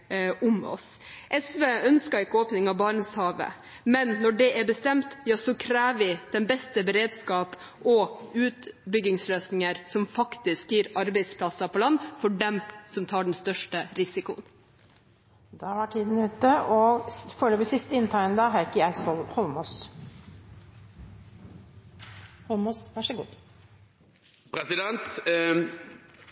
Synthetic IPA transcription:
ʊmɔ̰s | ʔɛsʋeːœnskɑɪkːəoːpnɪŋɑʋbɑːɳəshɑːʋə̰ | mɛnːɔɖɛʔæɾbəst̪ɛmt̪jɑːsɔkʰɾæːʋəʋɪd̪̥ɛnbɛst̪əbəɾeːd̪skɑːp | ʔɔʉːt̪bʏɡɪŋsløːsnɪŋəɾsɔmfɑkt̪ɪskjiːɾɑɾbɛɪspʰlɑsɑpʰɔlɑnːfɔɖɛmsɔmt̪ʰɑːɖɛn̩st̪œʂʈəɾɪsɪkʊ̰ən | d̪ɛʋɑʈʰiːd̪n̩ʉːt̪əɔføːləʋɪsɪst̪əɪnt̪ʰɑɪənd̪ɑɦækəæɪshɔlhɔlmuːs | hɔlmusʋæʂəɡṵːd̪ | pʰɾɛsɪd̪ɛnt̪

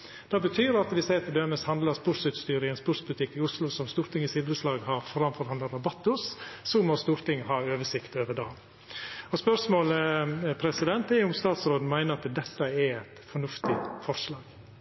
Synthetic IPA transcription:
d̪̥ɑbət̪ʰyːɾɑt̪ʋɪseɪt̪ʰɪd̪øːməshɑnd̪lɑɾspʊɾt̪sʉːt̪st̪yːɾɪŋənspʊɾt̪sbʉlt̪ʰɪkːɪʊslʊsɔmst̪uːɾt̪ɪŋːɪsiːd̪əɾəslɑːɡhɑɾfɔɾɑmfɔɾhɑnəɾɑbɑt̪ːʊsːɔmɔst̪uːɾt̪ʰɪŋːhɑːøːʋəʂɪkt̪øːʋəɖɑː | ɔspœɾʂmoːləpʰɾɛsɪd̪ɛnt̪ɛʊmst̪ɑːt̪sɾoːd̪n̩mæɪnəɾɑt̪d̪ɛt̪ːəɛɛt̪fɔɳʉft̪ɪfɔɾʂlɑːɡ̥

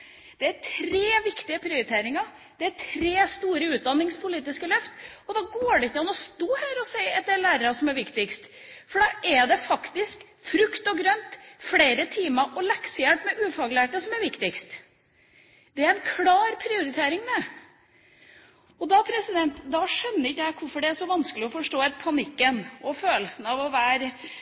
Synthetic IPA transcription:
d̪̥ɛæʈʰɾeːʋɪkt̪ɪəpʰɾɪʊɾɪt̪ʰeːɾɪŋɑ | d̪̥ɛæʈʰɾeːst̪uːɾəʉːt̪̚d̪ɑnːɪŋspʰʊliːt̪ɪskəlœft̪ɔd̪ɑɡoːɖɛɪkːəɑnɔst̪oːhæːɾɔsæɪɛt̪̚d̪ɛlæːɾəɾɑsɔmæɾʋɪkt̪ɪkst̪ | fɔɖɑːʔɛd̪ɛfɑkt̪ɪsk | fɾʉkt̪ɔɡɾœnt̪fleːɾət̪ʰiːməɾʔɔlɛksəjæʈ̪mɛʔʉːfɑɡlæːʈːəsɔmæɾʋɪkt̪ɪkst̪ | d̪̥ɛæɾɛnkʰlɑːɾpʰɾɪʊɾɪt̪ʰeːɾɪŋd̪ɛ | ɔd̪ɑpʰɾɛsɪd̪ɛnt̪d̪ɑʂœnːəɾɪkːəjæɪkʰʊɾfɔɖɛæʂɔʋɑnskəlɪɔfɔʂʈoːɛɾpʰɑnɪkːənʔɔføːlsn̩ɑʋɔʋæːɾ

